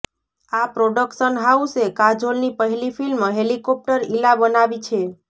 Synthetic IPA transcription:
apɾoɖəkʃənɦausekad͡ʒolnipəɦlifʰilmɦelikɔp̚ʈəɾilabənaʋit͡ʃʰe

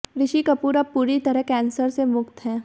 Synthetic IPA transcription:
ɾɪʃikɐpuːɾapuːɾit̪ɐɾəɦkɛ̃ːnsəɾsemʊkt̪ɦɛː

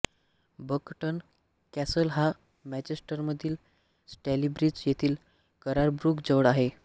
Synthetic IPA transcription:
bəkʈən | kæsəlɦa | mæd͡ʑesʈəɾməd̪ʱiːl | sʈelibɾid͡zjet̪ʰiːl | kəɾaɾbɾukd͡zəʋɽaɦe

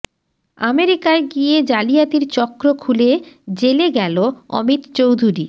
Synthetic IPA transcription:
ameɾikaeɡied͡ʑalijat̪iɾt͡ɕɔkɾokʰuled͡ʑeleɡɛloɔ̰mit̪t͡ɕowd̪ʱuɾi

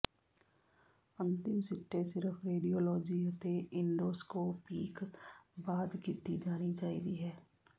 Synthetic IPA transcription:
ə̃nt̪ɪmsɪʈːesɪɾəfɾeːɖijoːlɔːd͡ʒit̪eʔɪ̃ɳɖoːskopiːkbaːd̪kɪt̪ːid͡ʒaːnit͡ʃaːɦit̪iɦɛː

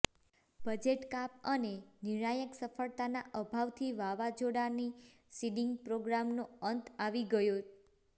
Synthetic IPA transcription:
bəd͡ʒeʈkap̚əneniɳajəksəfəɭt̪anaʔəbʱaʋt̪ʰiʋaʋad͡ʒoɽani | siɖiŋɡpɾoɡɾamnoənt̪aʋiɡəjo

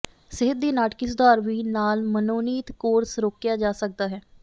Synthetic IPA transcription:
sɪɦɪt̪̚d̪iːnaːʈkɪs̬d̪aːɾʋiːnaːlmənoːniːt̪koːɾsɾoːkjaːd͡ʒaːsək̚d̪aːɦɛː

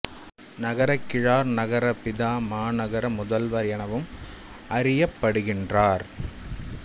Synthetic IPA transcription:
nɐɣɐɾɐkːɪɻaːɾnɐɣɐɾɐpɪðaːmaːnɐɣɐɾɐmʊðɐlʋɐɾɪjɐɳɐʋɯm | ɐɾɪjɐpːɐɽɯɣɪndraːɾ

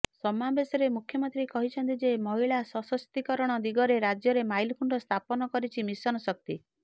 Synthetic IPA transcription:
sɔmabesɔɾemukʰjɔmɔnt̪ɾikɔɦit͡ʃʰɔnt̪id͡ʒemɔɦiɭasɔsɔst̪ikɔɾɔɽ̃ɔd̪iɡɔɾeɾad͡ʒjɔɾemajlkʰuɳʈɔst̪ʰapɔnɔkɔɾit͡ʃʰimisɔnɔsɔk̚t̪i

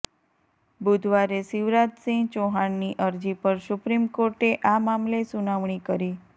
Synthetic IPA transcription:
bud̪ʱʋaɾesiʋɾat̪sĩt͡ʃoɦaɳːiʔəɾd͡ʒipəɾsʊpɾimkoɾʈeʔamamlesunaʋɳ̃ikəɾi

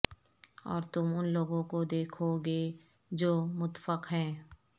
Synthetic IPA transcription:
ɔ̰ːɾt̪ʊmʊnloːɡõkod̪eːkʰoɡeː | d͡ʒoːmʊt̪fəqɦɛ̃ː

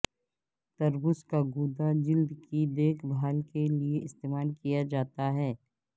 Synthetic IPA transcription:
t̪ɐɾbʊskaɡuːd̪ad͡ʒɪld̪kid̪eːkʰbʱaːlkelieɪst̪eːmaːlkijad͡ʒaːt̪aɦɛː

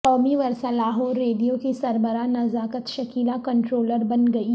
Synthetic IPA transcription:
kɔːmiʋɐɾsalaːɦoːɾːeːdijõkisɐɾbəɾanɐzaːkət̪ʃɐkiːlakɐ̃ɳʈɾoːləɾbɐnɡɐi

